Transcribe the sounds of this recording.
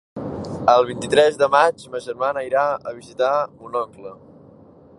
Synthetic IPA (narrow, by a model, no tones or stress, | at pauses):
əlˠβint̪it̪ɾɛzðəmad͡ʒməʒərmanəiɾaəβ̞izit̪aunɔklə